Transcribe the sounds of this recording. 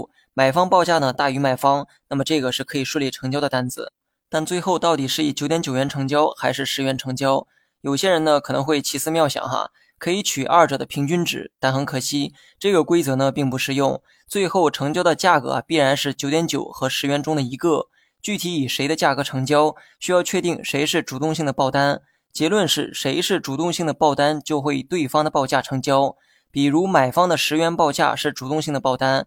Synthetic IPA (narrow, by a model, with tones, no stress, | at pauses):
ma˨˩ɪfɑ˥ŋpɑ˥˧ʊt͡ɕja˥˩nə˩t̪a˥˩y˧˥ma˨˩ɪfɑ˥ŋna˥˩mə˩ʈ͡ʂɤ˥˩ɡə˩ʂɻ̩˥˩kʰɤ˧˥i˨˩ʂwu˥˧li˥˩ʈ͡ʂʰɤ˧˥ŋt͡ɕjɑ˥ʊd̪ə˨˧t̪a˥˩nd͡zɹ̩̰˨˩˦ | t̪a˥˧nt͡swe˥˧ɪxo˥˧ʊt̪ɑ˥˩ʊt̪i˨˩ʂɻ̩˥˩i˨˩t͡ɕjo˧˥ʊt̪jɛ˧˥t͡ɕjo˨˩ʊɥɛ˧˥nʈ͡ʂʰɤ˧˥ŋt͡ɕjɑ˥ʊxa˧˥ɪʂɻ̩˥˩ʂɻ̩˧˥ɥɛ˧˥nʈ͡ʂʰɤ˧˥ŋt͡ɕjɑ˥ʊ | jo˨˩ʊɕjɛ˥ɻə˧˥nnə˧kʰɤ˨˩nɤ˧˥ŋxwe˥˧ɪt͡ɕʰi˧˥˩sɹ̩˥˧mjɑ˥˩ʊɕjɑ̰˨˩ŋxɐ̰˧ | kʰɤ˧˥i˧˥t͡ɕʰy˨˩ʔa˞˥˩ʈ͡ʂɤ˨˩d̪ə˦pʰi˧˥ŋt͡ɕy˥nʈ͡ʂɻ̩˨˩˦t̪a˥˩nxə˧˥ŋkʰɤ˨˩ɕi˥ | ʈ͡ʂɤ˥˩ɡə˩kwe˥ɪt͡sɤ˧˥nə˧pi˥˩ŋpu˧˥ʂɻ̩˥˧jʊ˥˩ŋ | t͡swe˥˧ɪxo˥˩ʊʈ͡ʂʰɤ˧˥ŋt͡ɕjd̪ə˧t͡ɕja˥˩kɤ̰˧˥ɐ̰˧˩pi˥˩ɻa˧˥nʂɻ̩˥˩t͡ɕjo˧˥t̪jɛ˧˥nt͡ɕjo˨˩ʊxɤ˧˥ʂɻ̩˧˥ɥɛ˧˥nʈ͡ʂʊ˥ŋd̪ə˨i˧˥ɡɤ˥˧ | t͡ɕy˥˩t̪ʰi˧˥i˨˩ʂe˧˥ɪd̪ə˧t͡ɕja˥˩kɤ˧˥ʈ͡ʂʰɤ˧˥ŋt͡ɕjɑ˥ʊ | ɕy˥jɑ˥˧ʊt͡ɕʰɥɛ˥˧t̪i˥˩ŋʂe˧˥ɪʂɻ̩˥˩ʈ͡ʂu˨˩t̪ʊ˥˧ŋɕi˥˩ŋd̪ə˩pɑ˥˩ʊt̪a˥n | t͡ɕjɛ˧˥lwə˥˧nʂɻ̩˥˩ʂe˧˥ɪʂɻ̩˥˩ʈ͡ʂu˨˩t̪ʊ˥˧ŋɕi˥˩ŋd̪ə˩pɑ˥˩ʊt̪a˥nt͡ɕjo˥˧ʊxwe˥˩ɪi˨˩t̪we˥˩ɪfɑ˥ŋd̪ə˨pɑ˥˧ʊt͡ɕja˥˩ʈ͡ʂʰɤ˧˥ŋt͡ɕjɑ˥ʊ | pi˨˩ɻu˧˥ma˨˩ɪfɑ˥ŋd̪ə˨ʂɻ̩˧˥ɥɛ˧˥npɑ˥˧ʊt͡ɕja̰˥˩ʂɻ̩˥˩ʈ͡ʂu˨˩t̪ʊ˥˧ŋɕi˥˩ŋd̪ə˩pɑ˥˩ʊt̪a˥n